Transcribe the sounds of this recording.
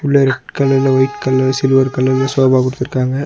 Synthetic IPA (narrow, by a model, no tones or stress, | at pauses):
ʊɭːɐɾɛʈːkɐlːɐɾɪlɐʋɐɪʈkɐlːɐsɪlɯʋɐɾkɐlːɐɾɪlɐsoːbaːkɔɽɯt̪ːɪɾɯkːaːŋɡɐ